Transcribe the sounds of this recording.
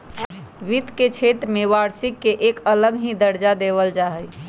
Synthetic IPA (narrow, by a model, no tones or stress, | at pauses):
ʋit̪ket͡ʃʰet̪ɾmeʋaɾsikːeʔkələɡɦĩd̪əɾd͡ʒad̪eʋəld͡ʒaɦəj